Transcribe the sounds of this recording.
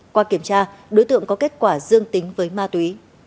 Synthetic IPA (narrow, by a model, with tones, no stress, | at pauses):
kwaː˧ki˧˩əmt͡ɕaː˧ɗo˨˦jt̪ɨ̰˧˨əŋkɔ˨˦ke˦˥t̚kwaː˧˩zɨ˧əŋt̪ï˨˦ŋ̟vəː˨˦jmaː˧t̪wi˨˦